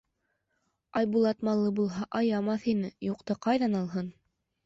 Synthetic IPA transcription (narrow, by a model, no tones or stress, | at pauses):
ɑjbulˠɑt̪mɑlˠːɤbulˠɦɑʔɑjɑmɑθinɘjuqt̪ɑqɑjðɑnɑlˠɦɤn